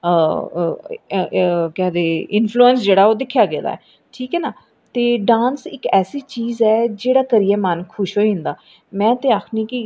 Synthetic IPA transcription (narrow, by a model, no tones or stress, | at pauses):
kɛːd̪eːɪnpʰluːənsd͡ʒeːɽaːɛoːd̪ɪkʰːjaːɡḛːd̪a̰ːɛ̰ː | ʈʰiːkɛːnaː | t̪eːɖãːnsɪkɛːsiːt͡ʃiːzɛːd͡ʒeːɽaːkəɾiːɛːmənkʰʊʃɦoːĩnd̪aː | mɛ̃ːt̪eːaːkʰnĩːki